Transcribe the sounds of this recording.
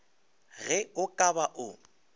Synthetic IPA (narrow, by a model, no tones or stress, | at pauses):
ɣɛʊkʼabaʔʊ